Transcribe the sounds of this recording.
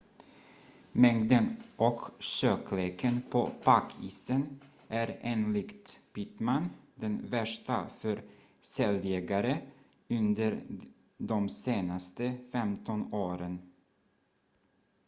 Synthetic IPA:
mɛŋd̪ənʔɔkʃøːkʰleːkʰənpʰo̰pʰakʰːiːsən | ʔæɾeːnlɪɡt̪pɪt̪mand̪ɛnvæʂʈa̰fœɾ | sɛljɛɡaɾə | ɵnd̪əɾ | d̪ɔmseːnast̪əfɛmt̪ʰɔnoːɾən

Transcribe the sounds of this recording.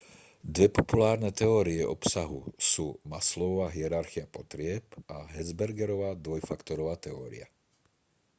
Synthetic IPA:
d̪ʋɛpɔpulaːɾnɛt̪ɛɔːɾiɛʔɔpsaɦṵsuːmaslɔʋaːɦiɛɾaɾxiapɔt̪ɾɪɛpaɦɛd͡zbɛɾɡɛɾɔʋaːd̪ʋɔjfakt̪ɔɾɔʋaːt̪ɛɔːɾḭa̰

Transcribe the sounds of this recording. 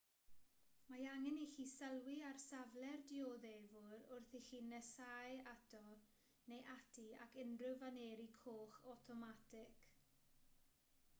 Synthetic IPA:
majaŋɛnixiːsɛlˠwɪarsavlɛrdioðevʊɾʊrθixiːnɛsajadʰɔ | nejʔatʰiakʰɪnrɨvaneːɾikʰoːχɔtʰɔmatʰɪkʰ

